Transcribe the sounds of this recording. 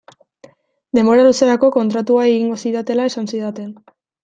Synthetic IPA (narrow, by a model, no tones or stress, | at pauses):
d̪e̞mbo̞ɾaluse̞ɾako̞ko̞nt̪ɾat̪uaeɣiŋɡo̞siðat̪e̞lae̞sansiðat̪en